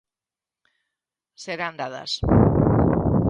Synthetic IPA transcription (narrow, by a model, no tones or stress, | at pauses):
seɾand̪aða̰s